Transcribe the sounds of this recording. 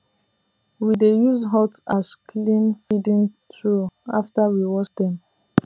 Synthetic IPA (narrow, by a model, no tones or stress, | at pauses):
widejuzɦɔtasklĩnfidĩntɹua̰ftawiwɔt͡ʃdɛ̃m